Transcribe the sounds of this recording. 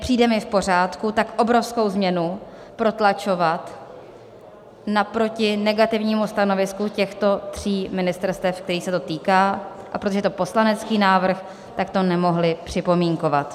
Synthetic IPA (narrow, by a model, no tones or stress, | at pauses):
pr̥iːdɛmɪfpo̞r̝aːt̪kut̪akʔo̞bɾo̞fsko̞wzmɲɛnu | pɾo̞t̪lat͡ʃo̞vat̪ | napɾo̞cɪnɛɡat̪ɪvɲiːmust̪ano̞vɪskucɛxt̪o̞t̪r̝̥iːmɪnɪst̪ɛɾst̪ɛfk̚t̪ɛɾiːsɛt̪o̞t̪iːkaː | ʔapɾot̪oɛt̪o̞po̞slanɛt͡skiːnaːvr̩x | t̪akt̪o̞nɛmo̞ɦlɪpr̝̥ɪpo̞miːŋko̞vat̪